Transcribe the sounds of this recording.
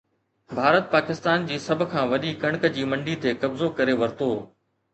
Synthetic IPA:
bʱaːɾət̪̚paːkɪst̪aːnd͡ʑiːsɐbʱʊ̆kʰãːʋɐɗikɐɽ̃kd͡ʑiːmɐ̃ɳɖit̪ʰeːkɐbzokɐɾeʋɐɾt̪oː

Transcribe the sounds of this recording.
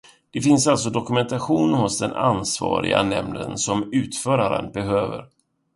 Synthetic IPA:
d̪̥ɛfɪnsalt̪s̬ɔd̪ɔkɵmɛnt̪aɧuːnhʊsd̪ɛnansvɑ̰ːɾɪ̰ɡanɛmnənsɔmʉ̟ːt̪fœːɾaɾə̰nbɛɦøːvə̰ɾ

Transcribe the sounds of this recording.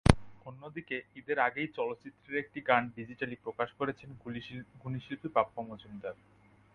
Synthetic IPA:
onːod̪ikeid̪eɾaɡejt͡ɕɔlot̪ːt͡ɕit̪ːɾeɾek̚ʈiɡanɖid͡ʑiʈalipɾokaʃkoɾet͡ɕʰenɡuniʃilpipapːomod͡ʑund̪aɾ

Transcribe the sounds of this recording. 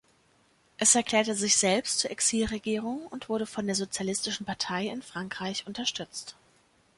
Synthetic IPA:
ʔɛsɛɐkl̥ɛːɐtəzɪçz̥ɛlpstt͡suɐʔɛksiːlʁeɡiːʁ̞ʊŋʊntv̥ʊɐɾəfɔndeːɐzot͡sjalɪstɪʃn̩paɐtʰaɪɪnfʁ̥aŋkʁ̥aɪçʔʊntɐʃtʏt͡st

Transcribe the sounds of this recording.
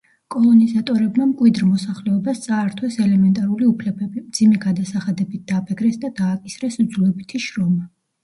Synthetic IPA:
kʼɔlˠɔnizat̪ʼɔɾɛbmamkʼwid̪ɾmɔsaχlɛɔbast̪sʼaːɾt̪ʰwɛsɛlɛmɛnt̪ʼaɾuliupʰlɛbɛbimd̪zimɛɡad̪asaχad̪ɛbit̪̚ʰd̪̥aːpʰɛkʰɾɛsd̪ad̪aːkʼisɾɛsd̪zulɛbit̪ʰiʃɾɔma

